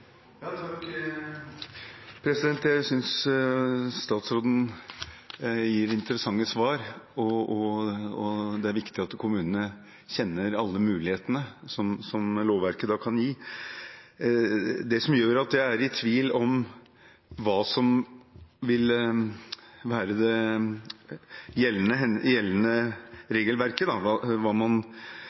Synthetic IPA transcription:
jɑt̪ʰɑk | pʰɾɛsɪd̪ɛnt̪jæɪsʏns | st̪ɑːt̪sɾoːd̪ən̩ | jiːɾɪnt̪əɾəsɑŋːəsʋɑːɾɔɔɔd̪ɛæɾʋɪkt̪ɪɑt̪kʰʊmʉːnənə | ɕɛnːəɾɑlːəmʉːlɪheːt̪ənəsɔmsɔmloːʋʋæɾkəd̪ɑːkʰɑnjiː | d̪ɛsɔmjøːɾɑt̪jæɪæɾɪt̪ʰʋiːlɔm | ʋɑːsɔm | ʋɪl | ʋæːɾəd̪ɛ | jɛlːənəɛjɛlːənəɾeːɡəlʋæɾkəd̪ɑʋɑʋɑːmɑn

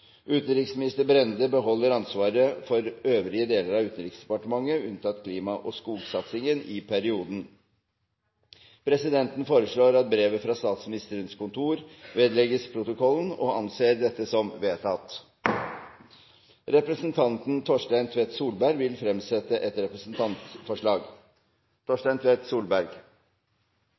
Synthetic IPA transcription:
ʔʉːt̪n̩ɾɪksmɪnɪst̪əɾbɾɛnd̪əbəɦɔlːəɾɑnsʋɑːɾəfɔɾøːʋɾɪəd̪eːləɾɑʉːt̪n̩ɾɪksd̪ɛpɑʈəmɑŋːəʉnt̪ʰɑt̪kʰliːmɑʔɔskuːɡsɑt̪sɪŋənɪpʰæɾɪuːd̪n̩ | pʰɾɛsɪd̪ɛnt̪n̩foːɾəʂɭoːɾɑt̪̚bɾeːʋəfɾɑst̪ɑːt̪smɪnɪst̪əɾənskʊnt̪ʰuːɾʋeːd̪lɛɡəspʰɾʊt̪ʊkʰɔlən̩ɔɑnseːɾd̪ɛt̪ːəsɔmʋeːt̪ʰɑt̪ | ɾɛpɾəsnt̪ʰɑnt̪n̩t̪ʰɔʂʈæɪnt̪ʰʋeːt̪suːlbæɾɡʋɪlfɾɛmsɛt̪ːəʔɛt̪ɾɛpɾəsn̩t̪ʰɑnt̪sfɔʂɭɑːɡ | t̪ʰɔʂʈæɪnt̪ʰʋeːt̪suːlbæɾɡ

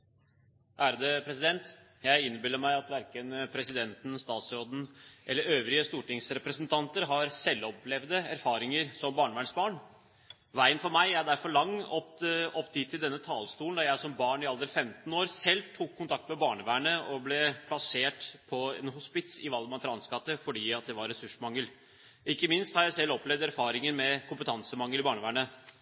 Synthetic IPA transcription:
ʔæɾəd̪ɛpʰɾɛsɪd̪ɛnt̪ | jæɪɪnːbɪlːəɾmæɪɑt̪ʋæɾkənpʰɾɛsɪd̪ɛnt̪n̩st̪ɑːt̪sɾoːd̪n̩ʔɛlːəɾøːʋɾɪəst̪uːʈɪŋsɾɛpɾɛsənt̪ʰɑnt̪əɾɦɑɾsɛlːɔpʰlɛʋd̪əæɾfɑːɾɪŋəɾsɔmbɑːɳəʋæːɳsbɑːɳ | ʋæɪənfɔɾmæɪæɖæɾfɔɾɭɑŋːɔpɔpːt̪ʰiːt̪ʰːɪld̪ɛnːət̪ʰɑːlst̪uːlnd̪ɑjæɪsɔmbɑːɳɪɑld̪əɾəfɛmt̪n̩oːɾsɛlːt̪ʰuːkʰːʊnt̪ʰɑk̚t̪mɛbɑːɳəʋæːɳəʔɔblɛpʰlɑseːʈpʰɔɛ̰nɦʊspɪt̪sɪʋɑlɡmɑnt̪ʰəɾɑnskɑt̪ːəfɔɖiːɑt̪̚d̪ɛʋɑɾːɛsʉʂmɑŋːəl | ɪkːəmɪnst̪hɑɾjæɪsɛlːɔplɛʋd̪æɾfɑːɾɪŋəɾmɛkʊmpət̪ʰɑnsəmɑŋːəl̩ɪbɑːɳəʋæːɳə

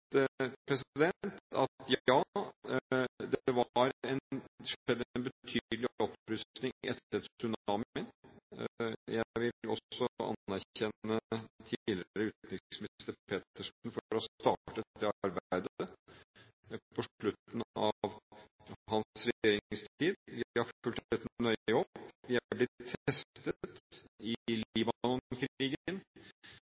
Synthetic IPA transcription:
pʰɾɛs̬d̪ɛnt̪ɑt̪jɑː | d̪ɛʋɑɾɛnʂɛd̪ːənbət̪ʰyːlɪɔpɾʉst̪nɪŋɪʔɛ̰t̪ːət̪sʉnɑːmmɪn | jæʋɪɔ̰sːɔɑ̰nːæɾçɛnːət̪ʰilɪəɾəʉːt̪nʏsmɪst̪əpʰeːt̪əʂn̩fɔɾɔst̪ɑ̰ːʈət̪ːəɑɾbæɪd̪ | pʰɔʂɭʉt̪ːn̩ɑʋ | hɑnsɾɛjeːɾɪst̪iːd̪ʋɪhɑɾfʉlt̪ʰɛt̪nœʏɔbpːʋɪæblɪtt̪ʰːɛst̪ət̪ɪliːbɑnɔnkʰɾiːɡən

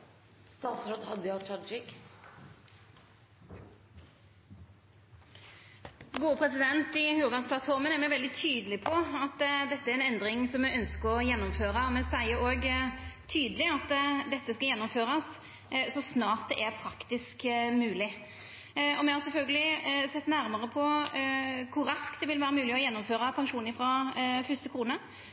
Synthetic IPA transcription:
st̪ɑːfɾɔt̪hɑd̪əjɑt͡ʃʰɑd͡ʒɪk | ɡuːəpʰʁɛsɪd̪ɛnt̪ɪhʉːʁd̪ɑnspʰlɑt̪fɔʁmənɛɾmɛʋɛld̪ɪt̪ʰyːd̪əlɪpʰɔɑt̪ːd̪ɛt̪ːəæɾɛnɛnd̪ʁɪŋsɔmɛœnskəʁɔjɛnːʊmføːʁəmɛsæɪəɾoːɡt̪ʰyːd̪əlɪɑt̪ːd̪ɛt̪ːəskɑjɛnːʊmføːɾɑs | sɔsnɑːɾt̪̚d̪ɛʔæɾpʰɾɑkt̪ɪskmʉːlɪ | ɔmɛhɑʁsɛlfœlɡəlɪsɛt̪ːnæɾmɑʁəpʰɔ | kʰʊɾɾɑskt̪d̪ɛʋɪlʋæːɾəmʉːlɪɔjɛnːʊmføːɾəpʰɑŋʂuːnɪfɾɑfʉst̪əkʰɾuːnə

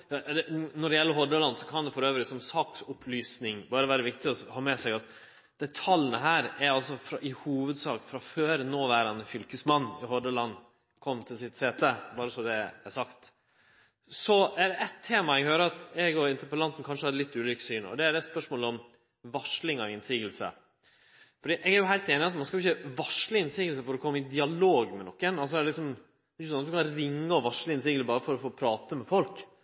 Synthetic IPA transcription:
jɑd̪ɛnɔɖɛjɛlːəɦɔɖ̪əlɑnːsɔkʰɑnd̪ɛfɔɾøːʋəɾɪsɔmsɑːksʊpʰlyːsnɪŋbɑːɾəʋæːɾəʋɪkt̪ɪɔhɑːmɛsɛɡɑt̪ | d̪̥ɛt̪ʰɑlənəɦæːɾæɾɑlsɔfɾɑʔɪhuːʋəd̪sɑːkfɾɑføːɾnoːʋæːɾɑnəfʏlkəsmɑnːɪɦɔɖ̪əlɑnː | kʰɔmːt̪ʰɪlsɪt̪seːt̪əbɑːɾəsɔd̪ɛæsɑkt̪ | sɔædɛʔɛt̪ʰːeːmɑɛɡhøːɾəɾɑt̪ɛɡɔɪnt̪əɾpəlɑnt̪n̩kʰɑnʂəhɑd̪əlɪt̪ːʉːlʏkə̥syːnɔ̰d̪ɛæɖ̪ɛspœʂmoːlɔm | ʋɑʂlɪŋɔɪnsiːɡəlsə̰ | fɔɖiːʔɛɡæɾjʊɦæɪlt̪eːnɪɑt̪mɑnskɑlʊɪçəʋɑʂlɪɪnsiːɡəlsəfɔɾɔkʰɔmːɪd̪ɪɑloːɡmɛnɔkːənɑls̬ɔɛlɪksɔm | ɪçːəsɔnt̪d̪ʉkʰɑnɾɪŋːəɔʋɑʂlɪɪnsiːɡəlbɑːɾəfɔɾɔfoːpʰɾɑːt̪əmɛfɔlk

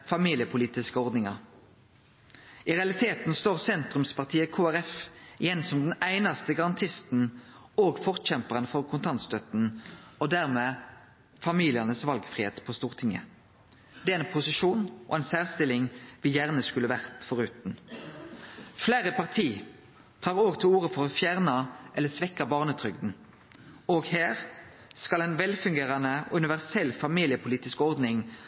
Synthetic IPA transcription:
fɑmiːlɪəpʰʊliːt̪ɪskəɔʁd̪nɪŋɑʁ | ɪʁɛɑlɪt̪ʰeːt̪n̩st̪oːʁsɛnt̪ʁʉmspʰɑʁt̪ʰiːəkʰuːæʁɛfɪjɛnsɔmd̪ɛnæɪnɑst̪əɡɑʁɑnt̪ʰɪst̪n̩ | oːɡfɔʁt̪çɛmpəʁənfɔʁkʰʊnt̪ʰɑnt̪st̪œt̪n̩ɔd̪æʁmeː | fɑmiːlɪəʁnəsʋɑlɡfʁɪheːt̪pʰoːst̪uːʁt̪ʰɪŋə̰ | d̪̥ɛæɛnpʰʊsɪʃuːnʔɔ̰ɛnsæːʁst̪ɪlɪŋʋɪjæːʁnəskʉlːəʋæʁt̪fɔʁʉːt̪n̩ | fleːʁəpɑʁt̪ʰiː | t̪ʰɑːʁoːɡt̪ʰɪluːʁəfɔʁɔfjæːʁnɑʔɛlːəsʋɛkːɑbɑːʁnət̪ʰʁʏɡd̪n̩ | oːɡheːʁ | skɑlɛnʋɛlfʉŋɡeːʁɑnəʉnɪʋæʁsɛlfɑmiːlɪəpʰʊliːt̪ɪskɔʁd̪nɪŋ

